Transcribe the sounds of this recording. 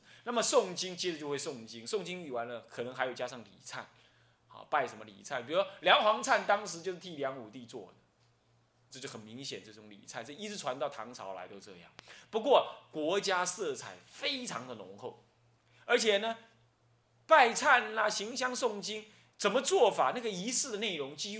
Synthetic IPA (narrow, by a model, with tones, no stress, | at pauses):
na˥˩mə˨sʊ˥˩ŋt͡ɕi˥ŋt͡ɕɛ˥dt͡ɕjo˥˧xwe˥˧sʊ˥˩ŋt͡ɕi˦˥ŋsʊ˥˩ŋt͡ɕi˥ŋi˨˩wa˧˥ɪnlə˧kʰɤ˨˩nə˧˥ŋxa˧˥ɪjo˨˩ʊt͡ɕja˥ʂɑ˥˩ŋlḭ˨˩t͡sʰa̰˥˩n | ɔ̰˨˩pa˥˩ɪʂə˧˥mə˧lḭ˨˩t͡sʰa˥˩np̬i˨˩uwɔ˥ljɑ˧˥ŋxwɑ˧˥ŋt͡sʰa˥˩nt̪ɑ˥ŋʂɻ̩˧˥t͡ɕjo˥˧ʊʂɻ̩˥t̪ʰi˥˩ljɑ˧˥ŋu˨˩t̪i˥˧t͡swɔ̰˥˩d̪ə˩ | t͡sɤ˥˧t͡ɕo˥˩ʊxə˨˩nmi˧˥ŋɕjɛ̰˨˩nt͡sɤ˥˩ʈ͡ʂʊ˧˦ŋlḭ˨˩t͡sʰa˥˩nt͡sɤ˥˩˧i˥t͡s̩˧˥˩ʈ͡ʂʰwa˧˥nt̪ɑ˥˩ʊt̪ʰɑ˧˥ŋt͡sʰɑ˧˥ʊla̰˧˥ɪt̪o˧˥ʊt͡sɤ̰˥˧jɑ̰˥˩ŋpu˧˥kwɔ˥˩kwɔ˧˥t͡ɕja˥sɤ˥˩t͡sʰa˨˩˦ɪfe˥ɪt͡sʰɑ˧˥ŋd̪ə˨nʊ̰˧˥ŋxo˥˩ʊ | ə˞˧˥t͡ɕʰjɛ˨˩nə˩ | pa˥˩˧ɪt͡sʰa˥˩nlɐ˧ɕi˧˥ŋɕjɑ˥ŋsʊ˥˩ŋt͡ɕi˥n | t͡sə˨˩nmə˦t͡swɔ˥˩fa˨˩na˥˩ɡə˩i˧˥sɹ̩˥˩d̪ə˩ne˥˩ɪɻʊ˧˥ŋt͡ɕi˥